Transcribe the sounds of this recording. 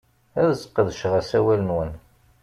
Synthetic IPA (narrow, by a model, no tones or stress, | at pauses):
æðzə̥qːəðʃʁæsæwælənwən